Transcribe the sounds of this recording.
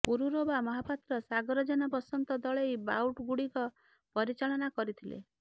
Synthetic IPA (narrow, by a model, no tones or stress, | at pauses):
puɾuɾobamɔɦapat̪ɾɔsaɡɔɾɔd͡ʒɔnɔpɔsɔnt̪ɔd̪ɔɭejbawʈɡuɽikɔ | pɔɾit͡ʃaɭɔnakɔɾit̪ʰilḛ